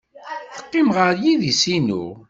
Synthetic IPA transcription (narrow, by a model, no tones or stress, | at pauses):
θə̥qːɪmʁəɾjiðisinṵ